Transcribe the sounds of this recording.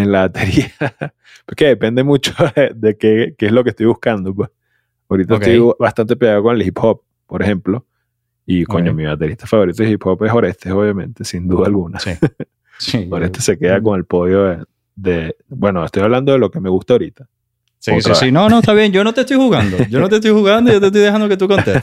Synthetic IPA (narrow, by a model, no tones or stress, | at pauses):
enlaβat̪e̞ɾia | poekeðe̞pe̞nd̪e̞mut͡ʃoðed̪e̞kekeeslo̞kest̪ojβuhskand̪o̞p̬wes | aoɾit̪aest̪ojβast̪ant̪epjeɣaðokoŋelhiphop̚ːoɾexe̞mplo̞ | ikoɲomiβat̪e̞ɾist̪afaβo̞ɾit̪oehiphopesoɾest̪eo̞βjamẽnt̪esind̪uðaalɣunas | sioɾest̪ese̞keðako̞ŋe̞lpo̞ðjoe | ðebwe̞noest̪o̞jaβland̪o̞ðelo̞ke̞me̞ɣust̪aoɾit̪ḁ | ost̪ɾainonoest̪aβjeŋd͡ʒonot̪est̪ojhuɣand̪oʝonot̪est̪ojhuɣand̪ojot̪est̪ojðehand̪oket̪ukont̪e